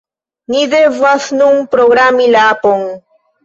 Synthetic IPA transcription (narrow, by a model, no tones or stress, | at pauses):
nid̪evasnunpɾoɡɾamilapoŋ